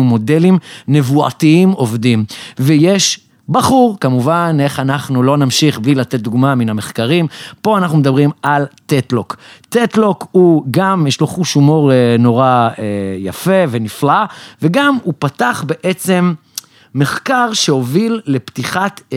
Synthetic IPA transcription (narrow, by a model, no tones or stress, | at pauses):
umo̞de̞limne̞vua̰tiimo̞vdimvejeʃ | baχuʁkamuvane̞χanaχnulo̞namʃiχblilat̪et̪̚d̪uɡmaminame̞χkaʁimpo̞anaχnumed̪abʁimalt̪etlo̞kt̪etlo̞khuɡamjeʃlo̞χuʃumo̞ʁeno̞ʁaeja̰fe̞ve̞niflaveɡamupataχbe̞ʔet͡se̞mː | e̞χkaʁʃe̞o̞vilːe̞ptiχat̪